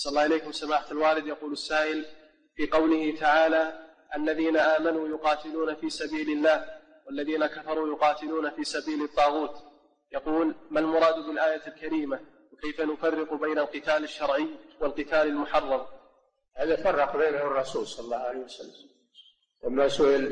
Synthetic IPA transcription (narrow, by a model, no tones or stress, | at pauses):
sˤɑlːɑːhɪleːkʊmsamaːħaalwaːlɪd̪jɑquːlasːaːʔɪl | fiːqɑwlɪhɪt̪aʕaːla | ʔalːaðiːnaʔaːmanuːjʊqɑːt̪ɪluːnafiːsabiːlɪlːaːh | walːaðiːnakafɑɾˤuːjʊqɑːt̪ɪluːnafiːsabiːlɑt̪ˤːɑːɣuːt̪ | jɑquːlmalmʊɾˤɑːd̪bɪlʔaːjalkaɾiːma | wɪkejfanʊfɑrːɪqbajnalqɨt̪aːlɪʃːɑɾˤʕɪjwɪlqɨt̪aːlalmʊħɑrˤːɑm | haːðafɑrˤːɑqbeːnhʊrˤːɑsuːlsˤɑlɑlːɑːhʕalehwasa̰lːam | lamːasʊʔɪl